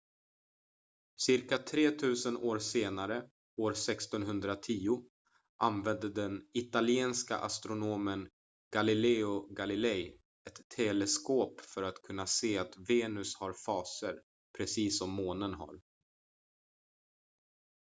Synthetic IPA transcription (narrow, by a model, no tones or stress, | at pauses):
sɪɾkat̪ʰɾeːt̪ʰʉ̟ːsənʔoːɾseːnaɾə | oːɾsɛkst̪ɔnɦɵnd̪ɾat̪ʰiːʊ | ʔanvɛnd̪əd̪ɛnɪt̪alɪeːnska̰ʔa̰st̪ɾʊnoːmən | ɡ̥alɪlɛʊɡalɪlɛj | ɛt̪ʰːɛlɛskoːpfœɾat̪kʰɵnːaseːat̪veːnɵshaɾfɑːsəɾ | pʰɾɛsiːsɔmːoːnənɦa̰ɾ